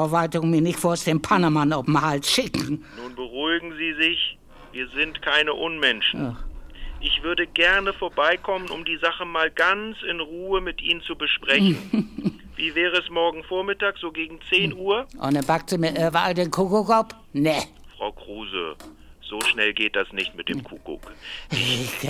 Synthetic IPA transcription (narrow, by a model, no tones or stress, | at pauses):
ovaɪtʊŋmiːɐnɪçtfoːɐsd̥empʰanamanaʊfm̩halsʃɪkŋ̩nuːnbəʁuɪɡŋ̩ziːzɪç | viːɐzɪntkʰaɪnəʔʊnmɛnʃnaʔɪçv̥ʏɐdəɡɛɐnəfoːɐbaɪkʰɔmənʊ̰mdiːzaχəmaːlɡant͡sɪnʁuːəmɪtʔḭːnənt͡subəʃpʁ̥ɛçn̩ | viːvɛːʁəɛsmɔɐɡŋ̩foːɐmɪtaːkz̥oːɡeːɡŋ̩t͡seːnʔuːɐʔɔ̰ndɛnbak̚tz̥ɪmɪʔɛvaaldeːnkʰukokɔp | nɛ | fʁ̥aʊkʁ̥uːzə̰ | z̥oːʃnɛlɡeːt̚d̥asnɪçtmɪt̚d̥eːmkʰukʊ̰k